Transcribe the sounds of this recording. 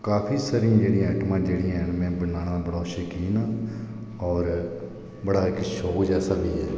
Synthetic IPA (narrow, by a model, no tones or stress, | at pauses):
kaːpʰiːsaːɾĩãːd͡ʒeːɽĩːɛːʈmãːd͡ʒeːɽĩːɛnmɛ̃ːbənaːnãːbəɽaːʃəkiːnaː | ɔːɾ | bəɽaːɪkʃoːd͡ʒɛːsaːʋiːɛː